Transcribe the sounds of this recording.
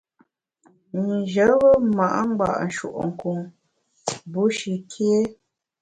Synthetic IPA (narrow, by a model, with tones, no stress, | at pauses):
n˨d͡ʒə˨˦ɣə˦ma˨ʔŋ͡mɡ͡ba̰˨ʔn̩˨ʃṵ˨ʔŋ̩˨ku˨ŋ | bu˨˦ʃi˨kʰe˦